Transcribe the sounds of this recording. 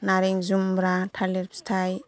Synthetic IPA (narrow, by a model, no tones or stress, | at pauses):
naɾiŋzumbɾatʰaleɾpstʰaj